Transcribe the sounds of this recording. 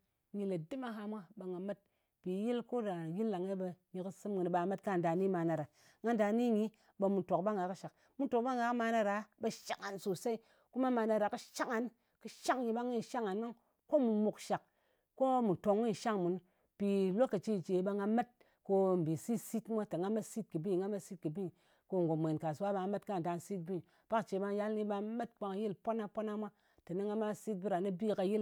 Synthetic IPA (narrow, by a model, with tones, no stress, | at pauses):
ɲi˧le˨di˦ma˦ɦa˧mʷa˦ɓa˧ŋɡa˨ma˦t̚ | pi˨˦ji˦lko˦da˨ji˦llːa˨ŋe˦bə˧ɲi˧kɨ˦sɨ˦mŋɨ˨n˨ɓa˨˦ma˦tka˦˨da˨ni˦ma˧na˧ɾa˨ | ŋa˦nda˧ni˦ɲi˦ | ɓa˧mu˨to˨kba˦ŋɡa˨kɨ˦ʃa˨k̚ | mu˦to˨k̚ɓa˦ŋɡa˨˦kma˧na˧ɾa˨˦bə˧ʃa˨ka˨nso˨sa˦i˦ | ku˦ma˦ma˧na˧ɾa˨kɨ˦ʃa˦kŋa˨n | kɨ˦ʃa˦ŋɲi˧ɓa˦ŋi˦n˨ʃa˦ŋa˨nma˦ŋ | ko˦mu˨mu˨kʃa˨k | ko˦mu˨to˨ŋːi˦n˨ʃa˦ŋmu˨n | pi˨lo˦ka˨t͡ʃi˦˨t͡ʃe˨˦ba˧ŋɡa˧me˦t̚ | ko˧m̩˨bi˨si˦si˦tmʷa˦ta˨ŋɡa˦me˦si˦t̚kɨ˨bi˦˨ŋɡa˦me˦si˦t̚kɨ˨bi˦˨ | ko˧ŋ˨ɡo˨mʷ˨e˨nka˨su˨wa˦ba˧ŋ˦me˦tka˦˨da˨nsi˦t̚bi˦˨ | pa˦kt͡ʃe˨˦ba˧ŋja˦lni˦ba˧me˦t̚k͡pa˧ŋ˧ji˦lpo˦na˦po˦na˦mʷa˦ | ta˨ni˦ŋɡa˦ma˦si˦t̚bi˦ɾa˨nɨ˦bi˦ka˧ji˦l